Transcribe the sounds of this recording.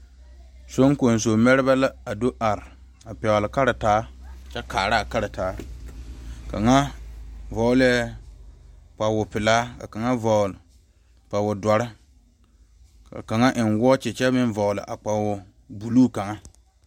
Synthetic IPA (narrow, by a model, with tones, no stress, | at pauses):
so˦ŋ˦ko˨n˨s̬o˨mɛ˦ɾɪ˦ba˦la˦a˨do˦ʔa˨ɾɪ˨ | a˨pɛ˨lɪ˨ka˦ɾɪ˨taː˨˦˨t͡ʃɛ˦kaː˨ɾa˦˨ka˦ɾɪ˨taː˨˦ | ka̰˨ŋa˦vɔ˨˦lɪ˦ɛ˦ | k͡pa˨wʊ˨pɪ˨laː˦ka̰˨ka˨ŋa˦vɔ˨l | k͡pa˨wʊ˨da˨ɾɪ˦ | ka̰˨ka˨ŋa˦ʔɪ˨nwɔː˦t͡ʃɪ˨t͡ʃɛ˦mɪ˦nvɔ˨ʊ˨lɪ̰˨ʔa˨k͡pa˨wʊ˨ | bu˨luː˦ka˨ŋa˦